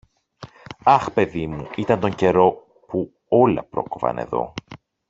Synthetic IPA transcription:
ɐxpe̞ðimuit̪ɐnt̪o̞ɲɟe̞ɾo̞ | pu | o̞lɐ̰pɾo̞̰kovɐ̰ne̞̰ðo̞̰

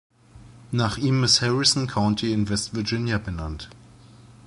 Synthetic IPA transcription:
naːχʔiːmɪsthɛʁɪsn̩kʰaʊ̃ntʰiɪnvɛstv̥əɐd͡ʒɪnjabənant

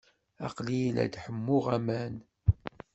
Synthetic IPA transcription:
ɑ̰qlijlæ̰d̪ħəmːʊʁæmæn

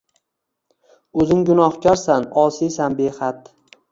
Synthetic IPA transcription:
ɵzɪŋɡʊnɒhkʲaɾsanɒsijsanbehat̪

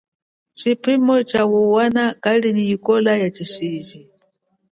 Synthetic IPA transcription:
t͡ʃipʰimɔt͡ʃawuwanakalinijikɔlajat͡ʃiʃiːd͡ʒi

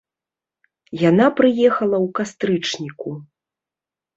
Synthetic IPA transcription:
janapɾɨjɛxɐlˠɐwkast̪ɾɨt͡ʂnʲiku

